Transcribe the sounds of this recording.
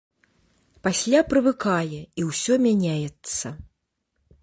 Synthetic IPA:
pasʲlʲapɾɨvɨkajɛiwsʲɔmʲanʲajɛt̪sɐ

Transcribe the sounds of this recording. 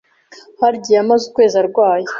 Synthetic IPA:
haɾɟijamazukweːzaɾɡwaːje

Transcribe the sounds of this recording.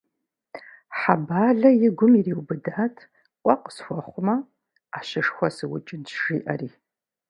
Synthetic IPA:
ħabaːɮɐjɪɡʷʊmiriːwbɨdaːtʰ | qʷʼɔqə̥sxʷɔχʷʊmɐ | aːɕɪʂxʷɔsɨwʊ̰t͡ʃʼɪntʒ̥ḭːʔɐ̰riː

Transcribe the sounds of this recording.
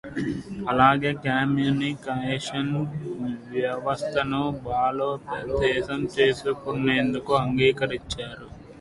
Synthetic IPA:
ɐlaːɡe̞ːkaːmjunikːɐeʂɐn | ʋjɐʋɐst̪ʰɐnubaːloːpɐd̪ɛːsɐmt͡ʃe̞ːsukunːeːnd̪ukuɐŋɡiːkɐɾiɲt͡ʃːaːɾu

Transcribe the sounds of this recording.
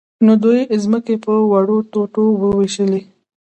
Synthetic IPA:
nod̪ujzməkepəwaɽot̪oʈowəweʃəle

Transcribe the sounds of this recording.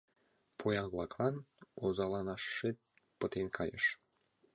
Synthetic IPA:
pʰojɑnβlˠɑklˠɑnozɑlˠɑnɑʃːe | pə̆t̪enkʰɑjə̰ʃ

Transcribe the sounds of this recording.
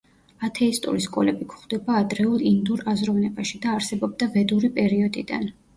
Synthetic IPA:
at̪ʰɛist̪ʼṵɾiskʼɔ̰lɛbikʰu̥χd̪ɛbaːd̪ɾɛulˠind̪uɾazɾɔvnɛbaʃid̪aːɾsɛbɔb̚d̪avɛd̪uɾipʼɛɾiɔd̪id̪a̰n

